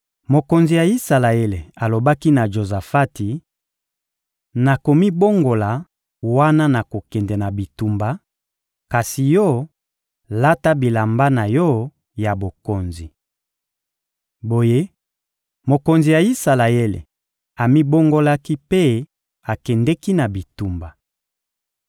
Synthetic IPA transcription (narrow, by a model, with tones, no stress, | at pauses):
mo˨ko˨nzi˨ja˨i˦sa˨la˨e˦le˨a˨lo˨ba˦ki˦na˨ʒo˨za˨fa˦ti˨ | na˨ko˨mi˦bo˦ŋɡo˨la˨ | wa˦na˦na˨ko˨kɛ˨ndɛ˨na˨bi˨tu˨mba˦ | ka˨si˨jɔ˦ | la˦ta˦bi˨la˨mba˦na˨jɔ˦ | ja˨bo˨ko˨nzi˨ | bo˨je˦ | mo˨ko˨nzi˨ja˨i˦sa˨la˨e˦lḛ˨ | a˨mi˦bo˦ŋɡo˦la˦ki˦pe˦ | a˨kɛ˨ndɛ˦ki˦na˨bi˨tu˨mba˨